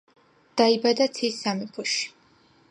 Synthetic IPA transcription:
d̪̥aibad̪at̪sʰisamɛpʰuʃi̥

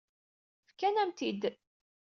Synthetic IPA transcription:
fkænæmt̪id̪

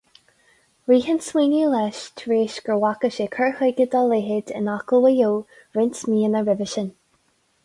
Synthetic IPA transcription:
ɹiːɦənswiːnilɛʃtʰɹeːʃɡ̥ɹəwakəʃekʰəɹhɪɡəd̪aleɦɪd̪ɪ̰nakəlˠwəjoː | ɹɪnsmiːənəɹɪvəʃən

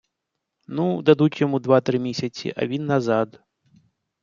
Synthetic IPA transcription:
nud̪ad̪ut͡sʲjamud̪vat̪ɾɨmʲesʲɐt͡sʲḭʔa̰vʲinːazat̪

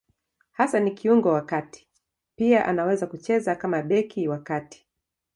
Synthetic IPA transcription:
hasanikiuŋɡɔwakati̥ | piaʔanawɛzakut͡ʃɛzakamaɓɛkiwakati̥

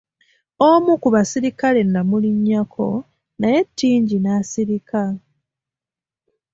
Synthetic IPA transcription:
omukuβasiɾikale̞nːamuliɲːakʰo̞ | naje̞tːiːɲɟinasiɾika

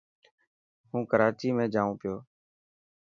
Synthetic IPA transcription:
hũːkəɾaːt͡ʃiːmẽːd͡ʒaːũːpɪjoː

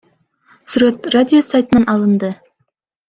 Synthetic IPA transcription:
sʉɾet̪radʲɪosajt̪ənɑnʔɑlˠɤ̆nd̪ɤ

